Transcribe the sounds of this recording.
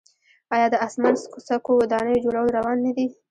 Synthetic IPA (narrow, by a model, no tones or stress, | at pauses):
ɑjɑd̪əasmanskosakowad̪ɑnəjod͡ʒoɽawəlɾawɑnːad̪i